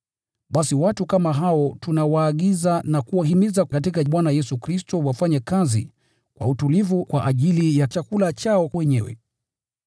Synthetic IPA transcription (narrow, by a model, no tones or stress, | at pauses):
ɓasiwatukamaɦaɔtunawaːɠizanakuwaɦimizakatikaɓwanajɛsukɾistɔwafaɲɛkazḭ | kwa̰utulivukwaʔaʄilijat͡ʃakulat͡ʃaɔwɛɲɛwɛ̰